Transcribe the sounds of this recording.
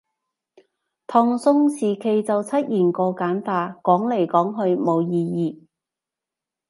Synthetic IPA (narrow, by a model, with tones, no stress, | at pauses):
t̪ʰɔː˧ŋsʊ˥ŋsiː˨˩kʰe˨jt͡sɐ˨wt͡sʰɐ˥t̚jiː˨˩nkɔː˧kaː˨˥nfaː˧kɔː˨˥ŋle˨˩jkɔː˨˥ŋɦɵ˧ɥmo˨˧wjiː˧jiː˨˧